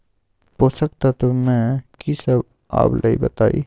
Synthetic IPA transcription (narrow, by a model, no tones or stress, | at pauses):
poːsək̚t̪at̪omɛ̃kisɐb | a̰ːplʔɐḭbɐt̪aːḭ